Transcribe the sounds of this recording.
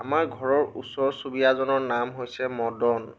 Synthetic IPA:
amaɹɡʱɔɹɔɹṵsɔɹsubijazɔnɔɹnamɦojsɛmɔdɔn

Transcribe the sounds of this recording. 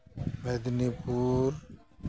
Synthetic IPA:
bed̪nipuːɾ

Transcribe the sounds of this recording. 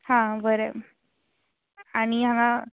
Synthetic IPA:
hãbʱəɾe | aɽ̃iãna

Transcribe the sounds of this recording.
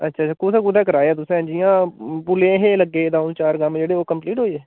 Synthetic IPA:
ətːʃʰaːt͡ʃʰaːkusãːk̬ud̪ɛ̃ːkəɾaːeɛːt̪ʊsẽd͡ʒijãːpʊlẽːɦeːləɡːeːd̪ãːʊnt͡ʃaːɾɡəmd͡ʒeːɽeːoːkəmpliːʈɦoːieː

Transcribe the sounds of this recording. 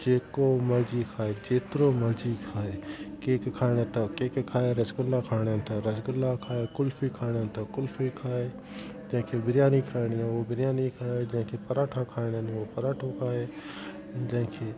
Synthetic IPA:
d͡ʒeːkoːməɾd͡ʒiːkʰaːeːd͡ʒeːt̪ɾoːməɾd͡ʒiːkʰaːeːkeːkkʰaːɽẽːt̪ɐkeːkkʰaːeɾəsɡʊlːaːkʰaːɽant̪ʰaɾəsɡʊlːaːkʰaːeːkʊlfiːkʰaːɽant̪akʊlfikʰaːeː | d͡ʒɐ̃ːkʰebɪɾjaːniːkʰaːɪɽiñːoːbɪɾjaːniːkʰaːed͡ʒãːkʰeːpəɾaːʈʰãːkʰaːɪɽeːnĩoːpəɾaːʈʰokʰaːɦeː | d͡ʒãːkʰeː

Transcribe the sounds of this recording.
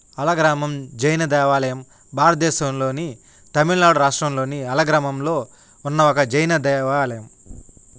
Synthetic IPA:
ɐlɐɡɾaːmɐmd͡ʒɐjnɐd̪ɛːʋaːlɐjɐm | bʱaːɾɐt̪̚d̪ɛːʃɐmlo̞ːni | t̪ɐmiɭnaːɽuɾaːʂʈɾɐmlo̞ːniɐlɐɡɾaːmɐmlo̞ː | unːɐɔkɐd͡ʒɐjnɐd̪ɛːʋaːlɐjɐm

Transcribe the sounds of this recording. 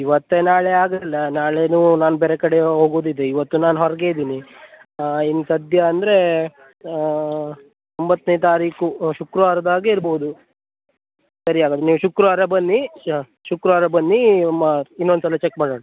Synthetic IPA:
iʋɐt̪ːenaːɭeaːɡɐlːɐnaːɭeːnuːnaːnubeɾekɐɽeɦo̞ːɡoːd̪id̪eiʋɐt̪ːunaːnɦɔɾɐɡe̞id̪iːni | inːusɐd̪ʱjɐːnd̪ɐɾe̞ | t̪ombɐt̪ːnejt̪aːɾiːkuʃukɾuʋaːɾɐd̪aːɡeiɾboɦud̪u | sɐɾijaːɡod̪eniːʋuʃukɾuʋaɾɐbɐnːi | ʃukɾuʋaɾɐbɐnːiɐmːɐinːo̞nd̪sɐlɐt͡ʃekːmaːɽoːɽɐ

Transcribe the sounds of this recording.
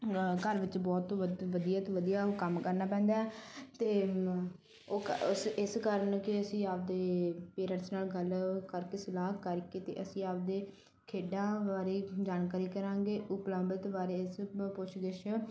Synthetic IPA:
kəɾʋɪt͡ʃbɔːt̪ʋəd̪ijaːt̪oːʋəd̪ijaːoːkəmkəɾnaːpɛ̃ːnd̪aːɛːt̪eː | oːkʊsɪskəɾənkɪəsĩːaːp̚d̪eːpeːɾəɾsnaːlɡəlkəɾkeːsɪlaːkəɾkeːt̪ḛːʔəsĩːaːp̚d̪eː | kʰeːɖãːʋaːɾeːd͡ʒaːnkaːɾiːkəɾãːɡeːʔʊpləmbət̪ʋaːɾeːɪspʊt͡ʃʰɡɪʃ

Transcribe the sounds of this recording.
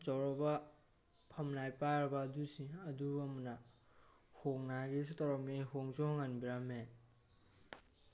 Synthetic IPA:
t͡ʃɔɾɔba | pʰɐmnajpaɾbadusiɐdubamna | hoŋnaɡistɔɾɔniɦoŋzɔhɔŋanbiɾame

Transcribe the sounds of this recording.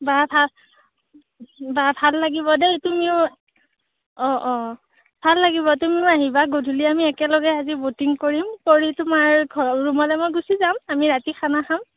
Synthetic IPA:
babʱa | babʱalːaɡibɔdɛtumiʊ | ɔʔɔ̃ | bʱalːaɡiβɔtumiʊaɦibaɡodʱuliamiɛkɛlɔɡɛazibotiŋkoɹimkoɹitʊmaɹɡʱɔɹumɔlɛmojɡusizamamiɹatixʰanaxam

